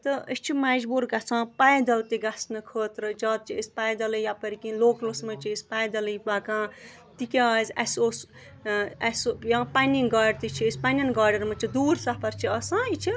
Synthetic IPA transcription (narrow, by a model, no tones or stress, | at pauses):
t̪ɨəst͡ʃʰimad͡ʒbuɾɡasãːpajd̪ɐlt̪iɡasnɨkʰəːt̪ɾɨd͡ʒaːt̪̚t͡ʃʰiəsʲpajd̪ɐlɨjapɐɾikinloːklosmɐt͡ʃʰiːsʲpajd̪ɐlɨjbakãː | t̪ikʲazʲɐsos | ɐsjãpaninɡaːɖt̪it͡ʃʰiːsʲpanʲinɡaːɖɐɾmɐt͡ʃʰid̪uːɾsapɐɾt͡ʃʰiɐsãːit͡ʃʰi